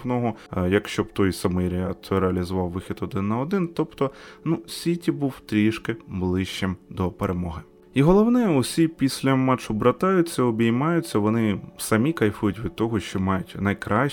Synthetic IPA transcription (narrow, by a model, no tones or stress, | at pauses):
nɔɦɔjɐkʃt͡ʃɔbt̪ɔjsɐmɨjɾʲɪɑt̪t͡s̪ɛɾeɐlʲizʊʋɑwːɪxʲit̪ɔd̪ɪnːɐɔd̪ɪnt̪ɔpt̪ɔnusʲʋʲitʲibuwt̪ɾʲiʃkɪblˠɪʃt͡ʃɪmd̪ɔpeɾʔemɔɦɪ | iɦɔlˠɔwnɛɔsʲipʲisʲlʲɐmɑt͡ʃʊbɾɐt̪ɑjʊt͡sʲːɐɔbʲijmɑjʊt͡sʲːɐʋɔnɪsɐmʲikɐjfujʊtʲʋʲid̪̚t̪ɔɦɔʃt͡ʃɔmɑjʊtʲnɐjkɾʔɑ